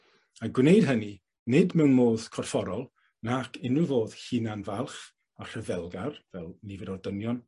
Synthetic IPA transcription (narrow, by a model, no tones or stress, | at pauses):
aɡwnejd̥ɦəni | nɪdmɛwnmoːð̥kʰɔrfɔɾɔlˠ | nakʰɪnuvoːð̥hinanvalˠχ | ar̥əvɛlˠɡarvɛlˠnivɛdɔrdənjɔn